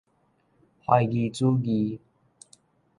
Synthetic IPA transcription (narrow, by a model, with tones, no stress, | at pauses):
hɔ˧jɡiː˧t͡suː˦˥ɡiː˧